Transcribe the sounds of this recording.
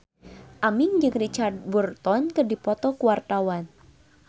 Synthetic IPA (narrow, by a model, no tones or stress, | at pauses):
ʔamɪŋd͡ʒɨŋrit͡ʃart̪̚burt̪ɔnkɨdipɔt̪ɔkuwart̪awan